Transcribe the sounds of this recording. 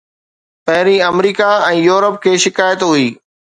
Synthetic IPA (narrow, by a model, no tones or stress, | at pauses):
pɐɦɪɾiɐmɾiːkaɛ̃ːjuːɾəp̚kʰeːʃɪkaːjət̪ɦʊiː